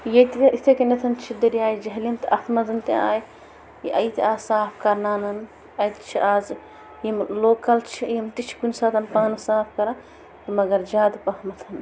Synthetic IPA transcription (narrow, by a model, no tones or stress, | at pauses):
jet̪it̪eit̪ʰekenɐt̪ʰɐnt͡ʃʰid̪ɐɾijaːjd͡ʒɐɦlimt̪ɐʔɐpʰmɐzɐnt̪iaːj | iʔɐjt̪iaːzsaːpʰkɐɾnaːnɐn | ɐjt̪t͡ʃʰiaːz | jimloːkɐlt͡ʃʰijimt̪it͡ʃʰi̥kunsaːt̪ʰɐnpaːnɐsaːpʰkɐɾɐ | t̪ɐmɐɡɐɾd͡ʒaːd̪pɐɦmɐt̪ʰɐn